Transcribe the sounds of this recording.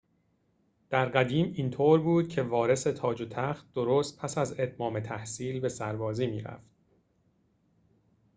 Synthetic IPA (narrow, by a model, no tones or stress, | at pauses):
d̪̥æɾɢæd̪iːmint̪ʰoːɾbuːd̪̥̚cʰe̞vɒːɾe̞se̞t̪ʰɒːd͡ʒot̪ʰæxt̪̚d̪o̞ɾoːst̪̚pʰæsæze̞t̪mɒːmet̪ʰæhsiːlbe̞sæɾbɒːziːmiːɾæ̰ft̪̚